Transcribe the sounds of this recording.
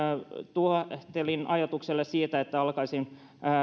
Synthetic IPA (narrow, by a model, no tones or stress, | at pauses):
t̪uot̪elinɑjɑt̪ukselːessiːt̪æet̪ːæɑlkɑisinː